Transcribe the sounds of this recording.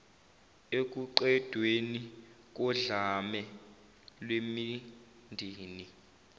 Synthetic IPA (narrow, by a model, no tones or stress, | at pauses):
ek̬ʼuǃɛd̥ʱweni | k̬ɔɮamɛ | lwemi | ndʱiːni